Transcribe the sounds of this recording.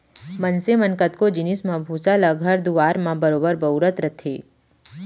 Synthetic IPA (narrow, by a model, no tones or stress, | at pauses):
mənsemənkət̪kod͡ʒɪnɪsmãbʱuːsaləɡʱəɾd̪uʋaːɾmãbəɾoːbəɾbɐʊɾət̪ɾət̪ʰeː